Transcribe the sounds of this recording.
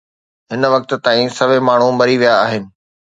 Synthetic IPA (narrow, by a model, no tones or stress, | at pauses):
ɦɪnʋɐk̚t̪t̪ãːĩsɐʋemaːɳ̤ũbɐɾiʋijaːɦɪnɪ̆